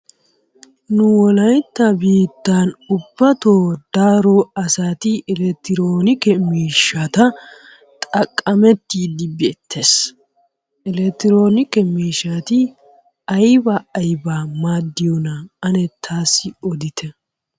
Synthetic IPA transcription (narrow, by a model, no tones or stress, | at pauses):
nʊwɔlɐjt̪ːɐbiːt̪ːaːnʊbːɐt̪oːd̪̥aːɾoːɐsaːt̪ɪɛlɛt̪ːɪɾoːnɪkɛmiːʃːat̪ɐ | t̪ʼɐkʼːɐmɛt̪ːiːd̪ɪbeːt̪ʰːes | ɛlɛt̪ːɪɾo̞ːnɪkɛmiːʃːaːt̪ɪ | ɐjbɐɐjbaːmaːd̪ːɪjonɐɐnɛt̪ʰːaːsːɪɔd̪ɪt̪ʰɛ